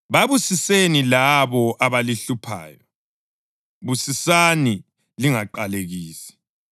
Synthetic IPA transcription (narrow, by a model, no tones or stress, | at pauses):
βaβusisenilaβɔʔaβaliɬupʰa̰ːjɔ | βusisani | liŋaǃaleɣiːsi̥